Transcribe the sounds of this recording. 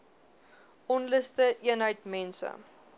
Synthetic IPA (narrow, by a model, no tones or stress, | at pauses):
ʔɔnləstəʔiənɦəjtmɛnsə̰